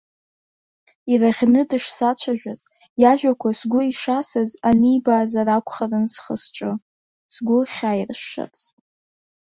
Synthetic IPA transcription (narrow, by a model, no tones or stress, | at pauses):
iraʁʲnɨdɨʂsat͡ɕʷʰaʒᶣʷaz | jaʒᶣʷakʷʰasɡʷʊiʂasɨzanɨibaːzarakʷʰʼχarɨnsχəsʈ͡ʂʼɨ | sɡʷʊχʲaːjrʂːɨ̰pʼzʼ